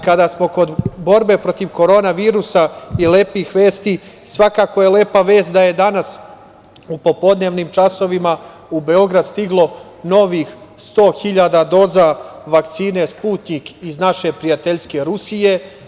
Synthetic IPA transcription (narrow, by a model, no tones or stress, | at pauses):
kad̪asmo̞ko̞d̪bo̞ɾbe̞pɾo̞t̪iʋko̞ɾo̞ːnaʋiːɾusaileːpixʋe̞ːst̪i | sʋakaːko̞jele̞ːpaʋe̞ːst̪d̪aje̞d̪anas | upo̞po̞d̪ne̞ːʋniːmt͡ʃaso̞ʋima | ube̞o̞ɡɾad̪st̪iɡlˠo̞ | no̞ʋiːxst̪o̞ːxiʎaːd̪ad̪o̞ːzaʋakt̪siːne̞spuːt̪niːkiznaʃe̞pɾijat̪e̞ʎske̞ɾusije̞